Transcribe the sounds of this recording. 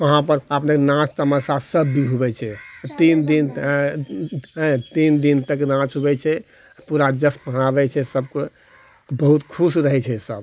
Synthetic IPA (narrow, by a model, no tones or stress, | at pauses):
əɦãpəɾəpnekenãt͡ʃʰt̪əməsasəbːiɦubɛt͡ʃʰɛt̪ind̪in | ɦɛ̃t̪ind̪int̪ək̬enãt͡ʃʰɦubɛt͡ʃʰɛ | puɾad͡ʒəspəɦnabɛt͡ʃʰɛsəbke | bəɦut̪kʰusɾəɦɛt͡ʃʰɛsəb